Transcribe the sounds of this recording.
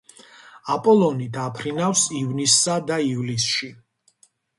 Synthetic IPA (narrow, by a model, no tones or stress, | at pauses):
apʼɔlˠɔnid̪apʰɾinafsivnisːad̪aivlisʃi